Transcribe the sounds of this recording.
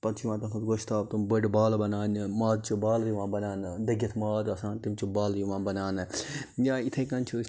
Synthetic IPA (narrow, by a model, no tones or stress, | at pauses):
pɐnt͡ʃʰiʋãːt̪ɐ̃kʰɐt̪ɡoːʃt̪aːbt̪umbəɖbaːlbɐnaːnmaːd̪t͡ʃubaːlɾiʋãːbɐnaːnd̪ɐɡɐt̪ʰmaːd̪ɐsãːt̪imt͡ʃubaːlɾijʋãːbɐnaːnjaːit̪ʰẽːkɐnt͡ʃʰu